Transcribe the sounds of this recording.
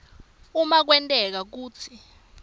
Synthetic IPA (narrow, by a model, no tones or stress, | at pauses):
umak̬wɛntʼɛk̬ak̬uːt͡sʰi